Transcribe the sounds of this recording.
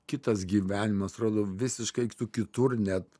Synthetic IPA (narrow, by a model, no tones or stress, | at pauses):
kʲɪt̪ɐsɡʲiːʋʲæːnʲɪmɐsɾoːd̪oːʋʲɪsʲɪʃkɐɪt̪ukʲɪt̪ʊrnʲɛt̪